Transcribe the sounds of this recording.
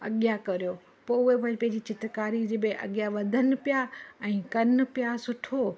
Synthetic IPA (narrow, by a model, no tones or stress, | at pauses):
ɐ̰ɠjakɐɾijo | poːʊɦepɐɽpɐ̃ɦɪ̃ɲd͡ʑit͡ɕɪt̪kaːɾid͡ʑebɪʔɐ̰ɠjaʋɐd̪ʱənɪ̆pijaɛ̃ːkɐnɪ̆pijasʊʈʰo